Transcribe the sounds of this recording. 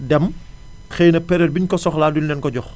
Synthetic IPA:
dɛm | xɛjnɐpɛɾɛlbiɲkɔsɔxlaːdulnɛnkɔɟɔx

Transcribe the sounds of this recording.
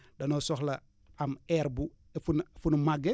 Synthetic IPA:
dɐnosɔxlɐ | amɛɾbu | funfunmaɡe

